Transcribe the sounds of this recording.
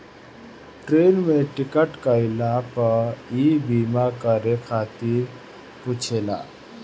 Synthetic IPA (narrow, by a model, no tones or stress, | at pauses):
ʈɾeːnmeʈɪkəʈkaɪlapəibiːmakaɾekʰaːt̪iːɾ | kut͡ʃʰela̰ː